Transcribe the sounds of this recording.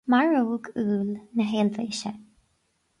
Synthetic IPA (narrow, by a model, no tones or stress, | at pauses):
maɹuːɡuːlnəɦeːlveːʃə